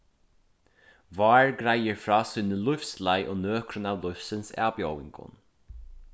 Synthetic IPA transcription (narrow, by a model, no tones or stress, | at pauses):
vɑːɹɡɾajəɹfɾɑːsʊːnəlʊfslajʔoːnøːkɾʊnɑːʋlʊfsənsa̰ːpjɔwɪ̰ŋkʊ̰n